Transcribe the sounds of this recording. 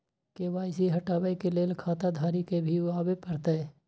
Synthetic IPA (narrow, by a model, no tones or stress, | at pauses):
keːʋaːjsiɦɐʈaːʋəjkeleːlkʰaːt̪ad̪ʱaːɾikebʱiʊaːbepɐɾt̪e